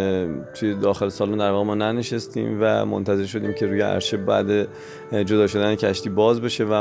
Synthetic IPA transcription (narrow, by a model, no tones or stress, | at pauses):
t̪ʰuje̞d̪ɒːxe̞lesɒːlund̪æɾvɒːɣemɒːnæneʃest̪ḭːmvæ̰mo̰nt̪ʰæze̞ɾʃ̬o̞d̪iːmcʰe̞ɾuːjeʔæ̰ɾʃebæ̰d̪e | d͡ʒo̞d̪ɒːʃo̞d̪æne̞cʰæʃt̪iːbɒːzbeʃe̞væ